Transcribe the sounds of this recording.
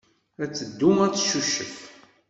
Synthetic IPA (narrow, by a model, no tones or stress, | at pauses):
æt͡sːəd̪ːumæt͡sːʃuʃːə̰f